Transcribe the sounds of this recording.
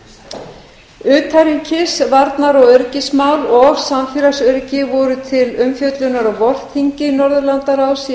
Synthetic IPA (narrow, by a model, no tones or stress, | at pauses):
ʏːt̪ʰajɾiɲcɪsvaɾt̪naɾɔɣœɾcɪsmaːwlɔɣsamfɪɾasœɾcɪvɔɾʏt̪ʰɪlʏmfjœt̪lʏnaɾɔɣvɔl̥t̪hiɲcɪnɔɾðʏlant̪aɾaws